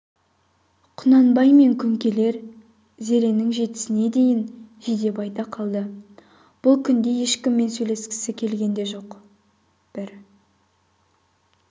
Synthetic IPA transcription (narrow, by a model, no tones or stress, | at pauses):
qʰʊnɑnbɑjme̞ŋkʲʰʏŋkʲe̞le̞ɾ | ze̞ɾe̞nɪŋʒe̞t̪ɪ̥sɪne̞d̪e̞jɪnʒid̪e̞pɑjt̪ɑqʰɑlˠd̪ə | b̥ʊlˠkʲʰʏnd̪e̞je̞ʃkʲɪmːe̞nsɵjle̞skʲɪ̥sɪkʲʰe̞lɡʲe̞nd̪e̞ʒo̞q | b̥ɪɾ